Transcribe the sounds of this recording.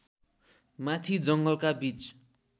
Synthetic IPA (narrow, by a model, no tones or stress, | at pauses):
mat̪ʰid͡zʌŋɡʌlkabit͡s